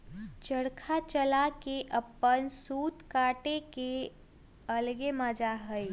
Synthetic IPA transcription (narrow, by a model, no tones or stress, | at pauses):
t͡ʃəɽkʰat͡ʃəlakeʔəpːənsuːt̪kaːʈeke | əlɡemãd͡ʒaɦəi